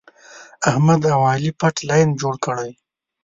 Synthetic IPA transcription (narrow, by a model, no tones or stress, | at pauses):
ahmad̪awɑlipaʈlɑjnd͡ʒoɽkəɽaj